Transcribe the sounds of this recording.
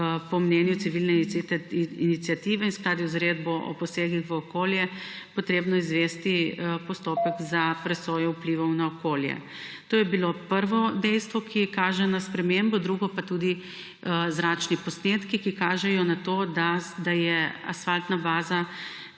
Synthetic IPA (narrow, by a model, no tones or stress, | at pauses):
pɔmnɛnjut̪siʋilnɛ | init̪sjat̪iːʋɛinsklaːd̪iuzɾed̪̚bɔʔɔ̰pɔseːɡixʋəɔkoːljɛ | pɔt̪ɾeːbnɔizʋest̪ipɔst̪opəɡzapɾɛsoːjɛupliʋɔwnaɔkoːljɛ̰ | t̪oːjɛbilopəɾʋɔd̪ɛjst̪ʋɔkʰikaːʒɛnaspɾɛmembɔd̪ɾuɡɔpat̪ud̪i | zɾat͡ʃnipɔsnet̪kikikaːʒɛjɔnat̪oːd̪ad̪ajɛa̰sfalt̪nabaːza